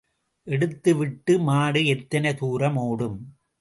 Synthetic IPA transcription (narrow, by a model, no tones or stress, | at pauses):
ʔɛɽɯt̪ːɯʋɪʈːɯmaːɽɯɛt̪ːɐnɐt̪uːɾɐmoːɽɯm